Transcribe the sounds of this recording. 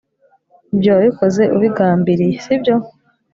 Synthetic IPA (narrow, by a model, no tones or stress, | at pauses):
bjoβiko̞ze̞ʔuβiɡaːmbiɾijesibjo̞